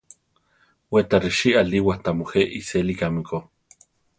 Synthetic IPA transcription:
wet̪ariʃialiwaht̪amoheʔiselikamiko

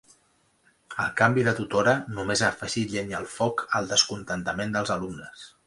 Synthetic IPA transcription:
ə̰lˠkambiðət̪ut̪oɾənumezaːfəʒiʎenəlˠfɔkəlˠd̪əskunt̪ənt̪əmend̪əlˠzəlumnəs

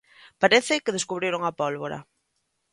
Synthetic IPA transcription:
paɾeθɪkeð̞eskuβɾeɾoŋapɔlβoɾa̰

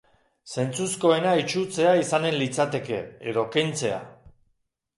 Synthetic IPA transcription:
se̞nt͡susko̞e̞nait͡ʃut͡se̞aisane̞nlit͡sat̪e̞ke̞̰eðo̞kejnt͡se̞a̰

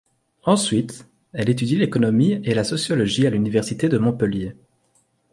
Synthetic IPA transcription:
ɑ̃sɥit̪ | ɛlet̪̬yd̪ilekɔnɔmielasɔsjɔlɔʒialynivɛʁsit̪ed̪əmɔ̃pəlje

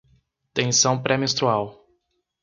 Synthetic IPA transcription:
t̪ẽsɐ̃w̃pɾʔɛmest̪ɾuaw

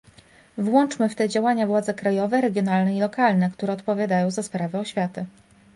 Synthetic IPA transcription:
vwɔnt͡ʂmɘft̪ɛd͡ʑawaɲavwad̪zɛkɾajɔvɛɾɛɡʲjɔnalnɛilɔkalnɛkt̪uɾɛɔt̪pɔvʲjad̪ajɔ̃w̃zaspɾavɛɔɕfʲjat̪ɘ

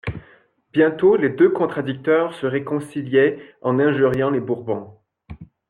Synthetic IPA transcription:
bjɛ̃t̪oled̪økɔ̃t̪χad̪yk̚t̪œːʁsəʁekɔ̃siljɛɑ̃nɛ̃ʒyʁjɑ̃lebuʁbɔ̃

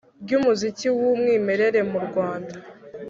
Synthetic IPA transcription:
bɟuːmuziciwumŋiːme̞ɾe̞ɾe̞muɾɡwaːnda

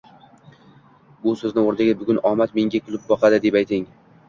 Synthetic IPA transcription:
bʊsɵznɪoɾd̪aɡʲabʊɡʲʊnɒmat̪me̞ŋʲakʲʰʊlˠɪp̚bɒqʰɑd̪ɪd̪e̞pajt̪ʰɪŋ

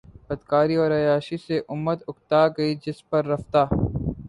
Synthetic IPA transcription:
bɐd̪kaːɾiɔːɾɐjaːʃiseʔʊmːət̪ʊkt̪aːɡɐid͡ʒɪspɐɾːɐft̪aː

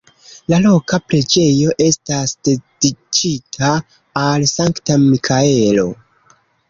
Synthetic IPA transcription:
lalo̞kapɾe̞d͡ʒe̞jo̞ʔe̞stasd̥e̞d̥it͡ʃitʰaː | lsaŋktamikʰae̞lo̞̰

